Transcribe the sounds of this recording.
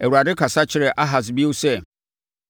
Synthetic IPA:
æ˨wu˨ɾa˨dɪ˦kʰa˨sa˦t͡ɕʰɪ˦ɾɪ˨ʔa˦ɦa˨s̬bi˦o˦sɛ˦˨

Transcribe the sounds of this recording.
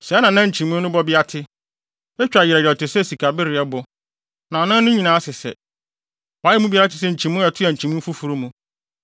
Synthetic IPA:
sɛ˨˦nã˨nã˦˨ɲ̩˨t͡ɕʰĩ˨mũ˦nnʊ̃˦bɔ˦bɪ˦a˦tʰɪ˦ | ɛ˦t͡ɕᶣa˨jɪ˨ɛ˨jɔ˨tɪ˨sɛ˦˨si˨kʰa˨bɪ˦ɾɪ˨ɛ˦bʊ˨ | nã˨nã˦nʊ̃˦ɲĩ˨nãː˨˦a˦sɪ˨sɛ̰˨ | waː˨˦ɛ˦mũ˦bi˦a˦a˦tɪ˦sɛ˦ɲ̩˨t͡ɕʰĩ˨mũ˦ɛ˨tʰʊ˦ɛ˨ɲ̩˨t͡ɕʰĩ˨mũ˦n̩˦fu˦fu˨ɾu˦mũ˦

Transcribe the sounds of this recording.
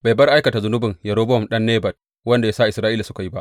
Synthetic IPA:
ba˨jbɐ˦rʔa˦jkɐ˨ta˨zʊ˦nʊ˦bɪ˨ŋjɐ˨ɾoː˦bɔ˦˨mɗɐ˦nːeː˦bɐ˨d̚ | wɐ˦nda˨ja˦sa˦ʔɪ˨sɾaː˦ʔiː˦la˨sʊ˦ka˨ji˦ba˦ʔ

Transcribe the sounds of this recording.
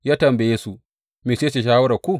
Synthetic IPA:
jaː˦tɐ˨mbe˨je˦su˨ | miː˨se˦se˨ʃ̬aː˦wɐ˦ɾa˨kʷu˦

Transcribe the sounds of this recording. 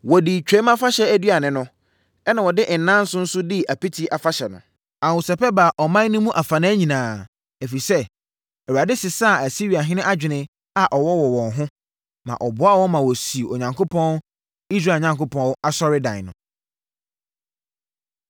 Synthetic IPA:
wɔ˨di˨t͡ɕᶣɛ̃˦mã˦fa˦ɕɛ˦æ˦dɥa˨nɪ̃˨nʊ̃˦ | ɛ˦nã˨wɔ˨dɪ˦ʔn̩˨nã˦n̩˦sʊ̃˦n̩˦sʊ˦dɪ˦æ˨pi˦tʰi˨˦ʔa˨fa˦ɕɛ˨nʊ̰̃˨ | ã˨u˨sɛ˨pɛ˦ba˨ʔɔ˨mã˦n˦nʊ̃˦mũ˦ʔa˨fa˨nɪ̃˦æ˦ɲĩ˨nãː˨ | æ˨fi˨sɛ˦ | ɛ˨wa˨dɪ˦sɪ˨sa˦˨æ˨si˦ɾi˨a˨ɦɪ̃˦nɪ̃˦ʔa˦d͡ʑᶣɪ˨nɪ̃˦ | a˨ʔɔ˨wɔ˦wɔ˨wɔ̃˨nɦʊ̃˦ | mã̰˨ʔɔ˨bʊ˦a˦wɔ˦mã˨wɔ˨si˨o˨ɲã˨ŋkʰo˦pʰɔ̃˦n | i˦s̬ɾaː˦˨ɲã˨ŋko˦pʰɔ̃˦a˦sɔ˦ɾɪ˦dã̰˨nʊ̰̃˨

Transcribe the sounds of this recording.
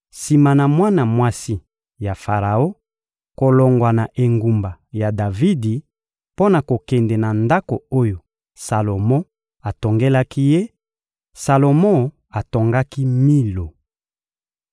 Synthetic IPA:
si˨ma˨na˨mwa˦na˨mwa˦si˦ | ja˨fa˨ʁa˨o˦ | ko˨lo˨ŋɡwa˨na˨ʔe˨ŋɡu˨mba˨ja˨da˨vi˦di˨ | po˦na˨ko˨kɛ˨ndɛ˨na˨nda˦ko˨o˦jo˨ | sa˨lo˨mɔ̃˦ | a˨to˨ŋɡe˦la˦ki˦je˦ | sa˨lo˨mɔ̃˦˨ | a˨to˨ŋɡa˦ki˦mi˦lo˨

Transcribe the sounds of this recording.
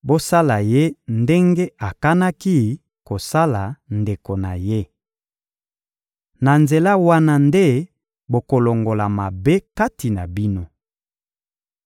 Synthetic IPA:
bo˦sa˦la˨je˦nde˦ŋɡe˦a˨ka˦na˦ki˦ | ko˨sa˦la˨nde˨ko˨na̰˨je˦ | na˨nze˨la˦wa˦na˦nde˦ | bo˨ko˨lo˨ŋɡo˨la˨ma˨be˦ka˦ti˨na˨bi˦no˦

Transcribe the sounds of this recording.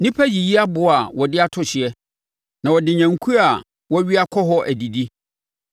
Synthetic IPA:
nɪ̃˦pʰæ˦ji˨ji˦a˦bʊ˨a˨wɔ˨dɪ˦a˦tʰʊ˦ɕɪ˨ɛ˦ | nã˨wɔ˨dɪ˨ɲæ̃˨ŋ̩˨kʰu˦ɾa˨ | wɔ˦ɥi˦a˦kʰɔ˦ɦɔ˦ʔæ˨di˨di˦

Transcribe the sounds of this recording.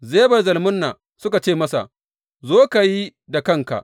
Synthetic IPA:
zeː˦bɐ˨rzɐ˨lmʊ˦nːa˨ | sʊ˦ka˨t͡ʃeː˦˨mɐ˦sa̰˨ | zoː˦ka˨ji˦da˨kɐ˦˨ŋka̰˨ʔ

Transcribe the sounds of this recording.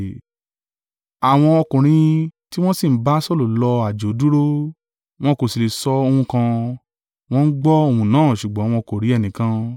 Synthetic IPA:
a˨w̃ɔ̃˧ɔ˧kũ˨ɾ̃ĩ˧ti˦w̃ɔ̃˦si˦˨˦ba˦sɔ˦lu˨lɔ˧a˨d͡ʒo˨˦du˦ɾo˦ | w̃ɔ̃˦ko˨si˨le˨sɔ˧o˧hũ˧kã˧ | w̃ɔ̃˦n̩˦ɡ͡bɔ˦o˦˧˨hũ˨˧nãː˨˦˨ʃu˨ɡ͡bɔ̃˨˦w̃ɔ̃˧ko˨ɾi˨˦ɛ˦˨nĩ˨kã˧

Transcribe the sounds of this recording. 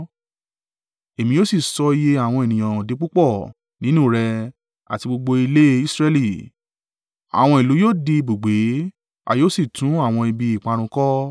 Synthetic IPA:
e˨mĩ˧jo˦si˦˨sɔ˧i˧˦je˧a˦˨w̃ɔ̃˧e˨nĩ˨j̃ã˨o˨di˨˦k͡pu˦k͡pɔ˦˨ | nĩ˨˦nũ˦˨ɾɛ˧ | a̰˨ti˧ɡ͡bo˧ɡ͡bo˧i˧le˦i˦sɾɛ˧li˦˨ | a̰˨w̃ɔ̃˧i˨lu˨˦joː˦di˧bu˨ɡ͡be˨˦ | a̰˧joː˦si˦˨tũ˨˦a˦˨w̃ɔ̃˧i˨bi˧i˨k͡pa˧ɾ̃ũ˧kɔ˦

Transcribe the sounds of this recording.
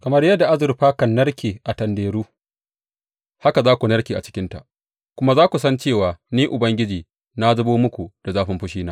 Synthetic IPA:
kɐ˨mɐ˦rjɐ˦dːa˨ʔa˦zʊ˨ɾɸaː˦kɐ˨nːɐ˦rkʲʰeː˨ʔa˨tɐ˨ndeː˨ɾuː˦ | ha˦ka˨zaː˦kʷu˨nɐ˦rkʲiː˨a̰˨t͡ʃɪ̥˦kʲɪ˦nta̰˨ʔ | kʷʊ˦ma˦zaː˦kʷu˨sɐ˦nt͡ʃeː˦˨waː˨niː˦ʔʊ˨bɐ˦ŋɡʲɪ˦d͡ʒiː˨ | na˦zʊ˦boː˦mʊ˦kʷu˨d̥a˨zaː˦ɸɪ˦mɸʊ˦ʃiː˦naː˦

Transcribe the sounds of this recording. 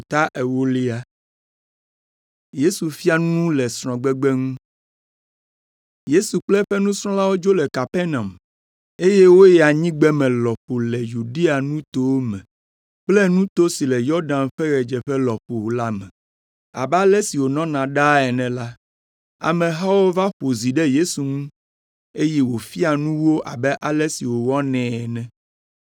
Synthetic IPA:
t̪a˦ʔe˨wo˦li˦a˦ | je˦su˨fi˦a˦nũ˦lɛ˨sɾ̃ɔ̃˨ɡ͡bɛ˦ɡ͡be˦ŋũ˦ | je˦su˨k͡plɛ˦ɸɛ˦nũ˦sɾ̃ɔ̃˦la˦wo˦d͡ʒo˦lɛ˨ka˨pɛ˦nã˨m | e˦je˦wo˦jɛ˨a˨ɲĩ˦ɡ͡bɛ˦mɛ̃˨lɔ˨ɸo˨lɛ˨ju˨ɖi˦a˨nũ˦t̪o˦wo˦mɛ̰̃˨ | k͡plɛ˦nũ˦t̪o˦si˨lɛ˨jɔ˦ɾɖã˨nɸɛ˦ɾɛ˨d͡ʒɛ˨ɸɛ˦lɔ˨ɸo˨la˦mɛ̰̃˨ | a̰˨bɛ˦a˦lɛ˦si˨wo˨nɔ̃˦nã˨ɖa˦ɛ˨nɛ̃˨la˦ | a̰˨mɛ̃˨ɦa˦wo˦va˦ɸo˨zi˨ɖɛ˦je˦su˨ŋũ˦ | e˦jɛ˦wo˨fi˦a˨nũ˦wo˦ʔa̰˨bɛ˦ʔa˨lɛ˦si˨wo˨wɔ˦nɛ̃˨ɛ˨nɛ̃˨

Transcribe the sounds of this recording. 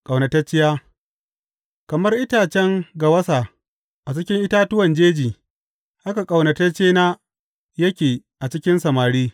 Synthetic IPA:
kʼɐ˨wnɐ˨tɐ˦t͡ʃːɪ˦jaː˦ | kɐ˨mɐ˦rʔɪ˦taː˨t͡ʃɛ˦ŋɡa˨wɐ˦sa˨ | ʔa˨t͡ʃɪ˦kʲɪ˦ŋʔɪ˦taː˦tʊ˦wɐ˨nd͡ʒeː˦d͡ʒiː˨ | ʔa˦ka˨kʼa˨wnɐ˨tɐ˦t͡ʃeː˦naː˦ | jɐ˦kʲeː˨ | ʔa˨t͡ʃɪ˦kʲɪ˦nsɐ˨maː˨ɽiː˦

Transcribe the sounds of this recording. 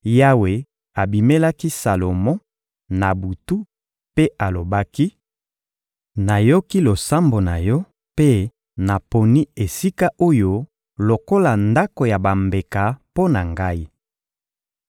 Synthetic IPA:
ja˦we˨ | a˨bi˨me˦la˦ki˦sa˨lo˨mɔ̃˦ | na˨bu˨tu˦ | pe˦ʔa˨lo˨ba˦ki˦ | na˨jo˦ki˦lo˨sa˦mbo˨na˨jɔ˦ | pe˦ | na˨po˨ni˦e˨si˦ka˦ʔo˦jo˦ | lo˨ko˦la˨nda˦ko˨ja˨ba˨mbe˨ka˨po˦na˨ŋɡa˦i˦

